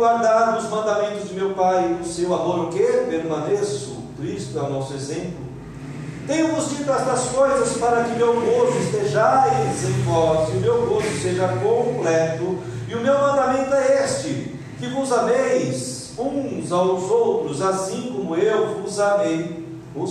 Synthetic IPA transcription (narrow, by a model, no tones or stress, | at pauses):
waɾd̪aɾd̪ʊʊzmɐ̃nd̪amẽnt̪ʊzd͡ʒɪmewpaj̪ʊsewad̪oɾokepeɾũavesʊ̰ | t̪ɾist̪ʊɛwnɔsʊezẽmplʊ | t̪ẽj̃ʊ̃vʊst͡ʃid̪ʊɛst̪ɐskojzɐspaɾɐkɪʊmewɡozʊɪst̪eʒajzĩfɔɾt͡ʃɪʊmewɡozʊseʒɐkõplɛt̪ʊ | ɪʊmewmɐ̃nd̪amẽnt̪ʊɛest͡ʃɪ | kɪvʊzavejs | ũzawzowt̪ɾʊzasĩkõmʊewvʊzavej | ʊ